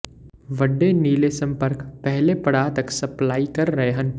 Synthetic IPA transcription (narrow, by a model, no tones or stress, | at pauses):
ʋɐɖːeniːlesɐ̃mpəɾkpɛɦlepɐɽaːt̪ɐksɐplaːikɐɾːɐɦeɦɐ̃n